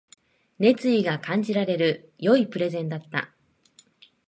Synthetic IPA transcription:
ne̞t͡sɨiɡakãɲ̟d͡ʑiɾaɾe̞ɾɯ̟jo̞ipɯ̟ɾe̞zẽ̞nd̪at̪ːa̰

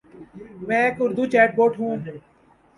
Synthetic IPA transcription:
mɛ̃ːeːkʊɾd̪uːt͡ʃɛːʈ̚boːʈɦũː

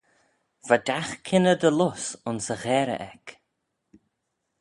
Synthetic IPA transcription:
v̥ad̪axkʰɪnəd̪əlʊsʊnsəɣɛːɾə̰ʔɛk

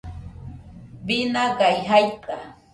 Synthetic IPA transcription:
bɪnaɢajɦajt̪a

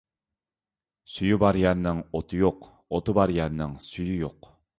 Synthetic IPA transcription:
syjybɑɾjɛɾnɪŋot̪ʰɨjoq | ot̪ʰɨbɑɾjɛɾnɪŋsyjyjoq

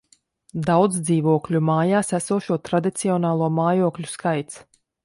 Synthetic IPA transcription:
d̪awd̪zd̪ziːvuɔklʲumaːjaːsæsuːʃuɔt̪ɾad̪it̪siɔnaːlˠuɔmaːjuɔklʲuskajt̪s

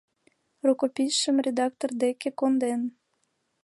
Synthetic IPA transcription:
rukopʲiʃəmrʲed̪ɑk̚t̪ord̪ekekond̪en

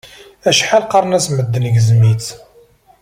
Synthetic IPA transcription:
æʃħalqɑɾˤnæsməd̪ːənɡəzmit͡s

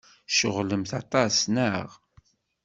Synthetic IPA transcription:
ʃəʁləmθɑt̪ˤɑsnəʁ

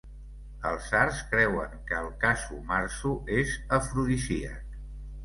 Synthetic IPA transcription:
əlˠzaɾskɾɛwəŋkəːlˠkasumaɾsuezəfɾuðisiə̰k

